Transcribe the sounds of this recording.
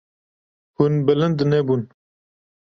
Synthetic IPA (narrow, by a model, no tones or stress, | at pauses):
hunbələnd̪nebun